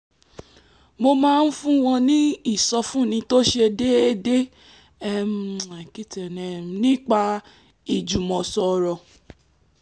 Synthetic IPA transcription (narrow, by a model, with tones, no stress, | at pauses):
mo˧mãː˦˧n̩˦fũ˦w̃ɔ̃˧nĩ˦i˦˨sɔ˧fũ˦˨nĩ˧to˦ʃe˧de˦e˦de˦ | ɛ˦m˨a˨ki˦tɛ˨nɛ̃˨m˨nĩ˦k͡pa˧ | i˨d͡ʒu˨mɔ̃˨sɔ˧ɾɔ˧˨